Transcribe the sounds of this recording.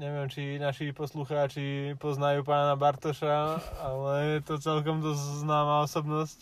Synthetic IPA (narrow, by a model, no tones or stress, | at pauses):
ɲɛʋɪɛmt͡ʃinaʃipɔsluxaːt͡ʃipɔznajuːpaːnabaɾt̪ɔʃaalɛjɛt̪ɔt͡sɛlkɔmd̪ɔzznaːmaːɔsɔbnɔsc